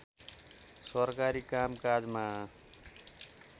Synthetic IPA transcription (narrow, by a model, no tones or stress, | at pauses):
sʌrkaɾikamkad͡zma